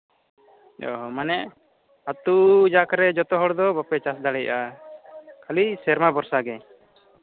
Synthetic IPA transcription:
ɔ̰ɦɔmanɛʔ | at̪ud͡ʒakɾɛd͡ʒɔt̪ɔɦɔɽd̪ɔbapɛt͡ʃasd̪aɽɛja | kʰalisɛɾmabɔɾsaɡɛ

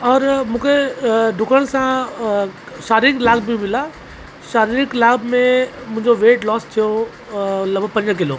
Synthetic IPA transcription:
ɔːɾmũːkʰeɖʱʊkʰəɽ̃sã | ʃaːɾiɪklaːɡmĩmɪla | ʃaːɾiɾɪklaːbmẽmʊ̃ɦɪ̃ɲd͡ʑoʋeːʈlɔːst̪ʰijo | lɐbpɐ̃ɲd͡ʑk̬ɪloː

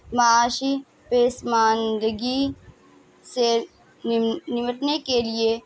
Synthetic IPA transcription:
mɐaːʃi | peːsmãːnd̪əɡi | se | nɪməʈnekelie

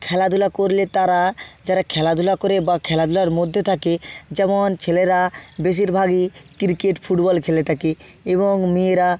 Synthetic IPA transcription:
kʰɛlad̪ʱulakoɾlet̪aɾad͡ʑaɾakʰɛlad̪ʱulakoɾebakʰɛlad̪ʱulaɾmod̪ʱːet̪ʰaked͡ʑɛmont͡ɕʰeleɾabeʃ̬iɾbʱaɡikiɾkeʈfʰuʈbɔlkʰelet̪ʰake | eβoŋmieɾa

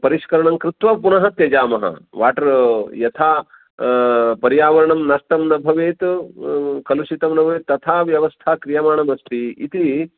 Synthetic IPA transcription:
pɐɾiʃkɐɾɐɳɐmkɾut̪ʋɐpunɐɦɐt̪jɐd͡ʒaːmɐɦɐ̰ʋaːʈɐɾjɐt̪ʰaː | pɐɾijaːʋɐɾɐɳɐmnɐsʈɐmnɐbʱɐʋeːt̪ | kɐluʃit̪ɐmnɐbʱɐʋeːt̪ːɐt̪ʰaːʋjɐʋɐst̪ʰaːkɾijɐmaːɳɐmɐst̪iḭt̪i

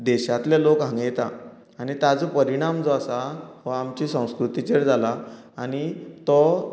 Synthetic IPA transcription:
d̪ɛɕat̪lelokɦãŋɡjet̪a | añit̪ad͡zopəɾiɽ̃amd͡zɔasaɦɔamt͡ɕisə̃w̃skɾut̪it͡ɕeɽd͡zala | aɽ̃it̪ɔ

